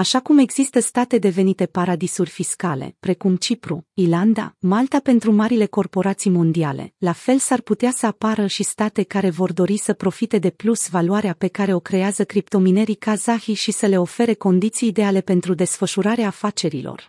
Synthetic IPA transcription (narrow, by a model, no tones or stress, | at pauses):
aʃakume̞ɡz̥ist̪əst̪at̪e̞d̪e̞ve̞nit̪e̞paɾad̪isurʲfiskale̞̰pɾe̞kumt͡ʃipɾuiland̪a̰malt̪ape̞nt̪ɾumaɾile̞ko̞rpo̞ɾat̪sijmo̞nd̪ialḛlafe̞lsarput̪easəapaɾəʃist̪at̪e̞kaɾe̞vo̞rd̪o̞ɾisəpɾo̞fit̪e̞d̪e̞plusvaluaɾeape̞kaɾe̞o̞kɾe̞eazəkɾipt̪o̞mine̞ɾikazaxiʃisəle̞o̞fe̞ɾe̞ko̞nd̪it̪siːd̪e̞ale̞pe̞nt̪ɾud̪e̞sfəʃuɾaɾeaːfat͡ʃe̞ɾilo̞̰r